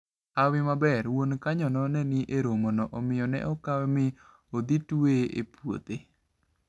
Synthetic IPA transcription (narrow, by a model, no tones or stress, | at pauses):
awɪmabɛɾwonkaɲɔnɔnɛnɪʔeɾomonɔʔɔmɪjɔnɛ̰ʔɔkawɛmɪ | od̪itueʔḛpwo̰t̪e